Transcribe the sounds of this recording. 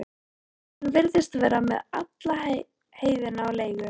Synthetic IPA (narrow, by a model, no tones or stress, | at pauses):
vɪɾðɪst̪vɛːɾamɛðat̪la | heːjðɪnaawleːjɣʏ